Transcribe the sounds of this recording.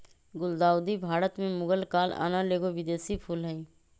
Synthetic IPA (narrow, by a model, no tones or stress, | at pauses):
ɡʊld̪aːwd̪ibʱaːɾət̪mẽmʊɡəlkaːla̰ːnaleːɡoʋɪd̪eːsipʰʊlɦəiː